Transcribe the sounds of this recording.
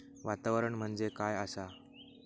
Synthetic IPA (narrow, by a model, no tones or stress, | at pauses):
ʋat̪aʋəɾəɳm̤əɳd͡zekajəsa